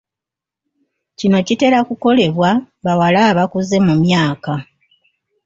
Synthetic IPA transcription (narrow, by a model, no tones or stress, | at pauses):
cino̞cite̞ɾakuko̞le̞βwa | βawalaːβakuze̞mumjaːka